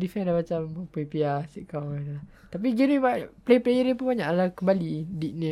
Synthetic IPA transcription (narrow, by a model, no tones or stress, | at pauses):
difɛndamat͡ʃampepiasiʔkawadəla | t̪ap̬iɡɛnibaʔplejplejəɾəpunbaɲaʔlakəmbalidiʔ̚ni